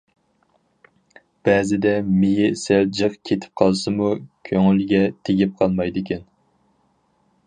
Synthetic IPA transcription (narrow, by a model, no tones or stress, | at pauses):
b̥ɛːzɪd̪ɛmijɪsɛld͡ʒɨqkʲʰet̪ʰɪ̥p̚qʰɑlˠsɨmukʲʰøŋylɡʲɛt̪ʰeɡʲip̚qʰɑlˠmɑjd̪ɪkʲʰɛn